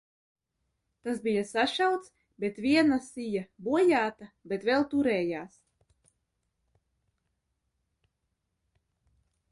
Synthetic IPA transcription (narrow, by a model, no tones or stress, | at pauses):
t̪asbijasaʃawt̪s | bet̪vʲiɛnasijabuɔjaːt̪abet̪vɛlˠt̪uɾɛːjaːs